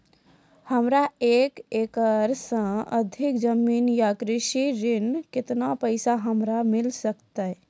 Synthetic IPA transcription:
həmɾaeːkeːkəɾsə̃əd̪ʱɪkd͡ʒəmiːnjakɾɪʃiɾɪnkɪt̪napəɪsaɦəmɾamɪlsəkt̪aɦɛ

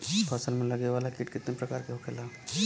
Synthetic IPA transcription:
pʰɐsəlmẽlɐɡeʋaːlakɪʈkɪt̪nepɾɐkaːɾkeɦokʰelaː

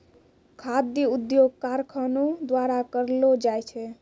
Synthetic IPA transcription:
kʰad̪jəud̪joɡ̚kaɾkʰənud̪waɾakəɾlod͡ʒajt͡ʃʰɛ

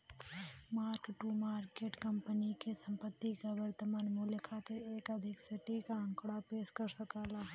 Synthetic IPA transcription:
maːɾkʈumaːɾkeːʈkɐmpənikesɐ̃mpət̪ːikaʋəɾt̪əmaːnmuljəkʰaːt̪eɾeːkɐd̪ʱɪkseʈikaɐ̃ŋkɽapeːʃkɐɾsɐkaːlaː

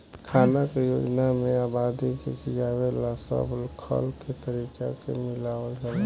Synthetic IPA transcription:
kʰaːnakejoːd͡ʒnamẽaːbaːd̪ikekid͡ʒaːwelasə̰blkʰə̰lket̪əɾiːka̰kḛmɪlaːʋəd͡ʒa

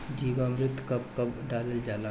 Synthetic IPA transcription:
d͡ʒiːʋamɾɪt̪ʰːkɐp̚kɐbɖaːləld͡ʒaːla

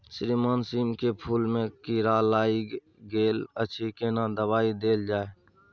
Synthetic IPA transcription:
sɾiːmaːnsiːmkepʰuːlmẽkiɾaːlaːi | ɡeːlət͡ʃʰikenad̪əbaːid̪eːld͡ʒaːe

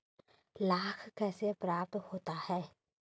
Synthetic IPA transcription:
laːkʰkɛːsepɾaːp̚t̪hoːt̪ahɛː

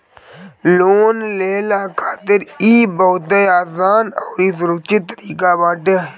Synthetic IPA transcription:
loːnleːlaːkʰaːt̪ɪɾiːboːt̪ejaːsaːnɔːɾiːs̬ʊɾəkʃɪt̪ːəɾiːkaːbaːʈe

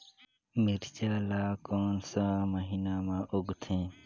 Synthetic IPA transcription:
miɾt͡ʃaːlaːkoːnsãməɦiːnaːmãːʔoɡt̪ʰẽː

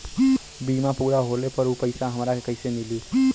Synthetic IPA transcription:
bimapuɾaɦolepəɾupəɪsaɦəmɾakekəɪsemili

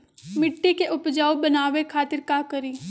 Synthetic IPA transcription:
mɪʈːikeʔʊpd͡ʒaːubənaːʋekʰaːt̪ɪɾkaːkəɾiː

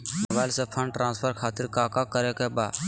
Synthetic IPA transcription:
nəbaːɪlsepʰə̃ɳɖʈɾʔãːnspʰəɾkʰaːt̪ɪɾkaːkakəɾekebaː

